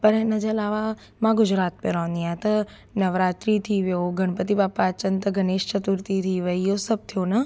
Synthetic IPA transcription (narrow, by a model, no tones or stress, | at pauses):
pəɾẽnɐd͡ʒəlaːʋa | mãɡʊd͡ʒɾaːt̪̚mẽɾɔ̃ɦnd̪ijãt̪ɐ | nəʋɾaːt̪ɾit̪ʰiʋjoɡʱəɽ̃pət̪ibaːpaːt͡ʃənt̪ɐɡʱəneːʃt͡ʃət̪uɾt̪it̪ʰiʋəijosɐb̚t̪ʰijonɐ